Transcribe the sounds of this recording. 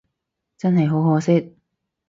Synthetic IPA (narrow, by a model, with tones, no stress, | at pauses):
t͡sɐ˥nɦɐ˨jɦo˨˥wɦɔː˨˧sɪ˥t̚